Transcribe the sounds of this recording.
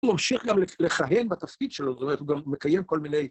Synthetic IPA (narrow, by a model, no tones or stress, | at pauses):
mamʃiχɡamleleχaɦenbat̪afkidʃelozt̪omeet̪uɡamːekajemko̞lmine̞j